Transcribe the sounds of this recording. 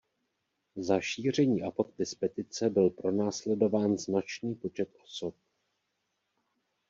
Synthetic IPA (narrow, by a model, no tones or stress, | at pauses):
zaʃiːr̝ɛɲiːʔafak̚t̪ɪspɛt̪ɪt͡sɛbɪlpɾo̞naːslɛdo̞vaːnznat͡ʃniːpo̞t͡ʃɛt̪ʔo̞sop̚